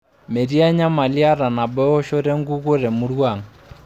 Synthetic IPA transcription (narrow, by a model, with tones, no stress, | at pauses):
me˨ɾi˦a˦ɲa˦ma˨li˦a˦ɾa˨na˨bɛ˦ɔ˦ʃɔ˦ɾɛ˦ŋɡu˦ɣo˦ɾɛ˨mu˦ɾwa˨ŋ˨